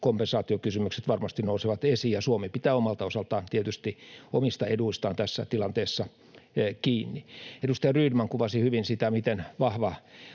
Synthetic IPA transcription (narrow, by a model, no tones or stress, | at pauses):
kompensɑːt̪iokysymykset̪ʋɑrmɑst̪inousiʋɑt̪esiːjjɑsuomepit̪æːomɑlt̪ɑosɑlt̪ɑːnt̪iet̪yst̪iomist̪ɑeduist̪ɑːnt̪æsːæ̰t̪ilɑnt̪eːsːɑ | kiːnːiedust̪ɑjɑryːdmɑŋkuʋɑsihyʋinsit̪æmit̪enʋɑhʋɑ